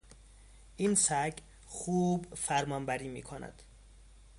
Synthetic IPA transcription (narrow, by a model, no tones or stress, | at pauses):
ʔiːnsæɟ | xuːbfæɾmɒnbæɾiːmḭːkʰonæ̰d̪̥